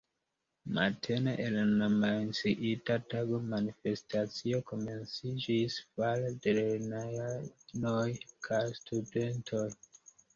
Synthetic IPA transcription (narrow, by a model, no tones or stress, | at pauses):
ma̰tʰe̞neʔelanamansiʔitataɡomanife̞stat͡sio̞ko̞me̞nt͡sid͡ʒisfaldeleɾnajanojkʰajstʰude̞ntʰoj